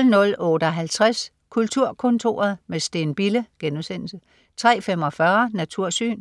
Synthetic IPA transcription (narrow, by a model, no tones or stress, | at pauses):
lnɔ̽lɔːd̥ɒɦælt͡sʰʁas | kʰult͡sʰuɐkʰɔ̽nt͡sʰo̝ːɐð̞ˠmesd̥e̝nb̥iləɡ̥enuðˠsen̰l̩sə | t͡sʰʁɛ̰ːfem̰ɒ̽fɶːɐnæt͡sʰuɐ̰sy̰ːn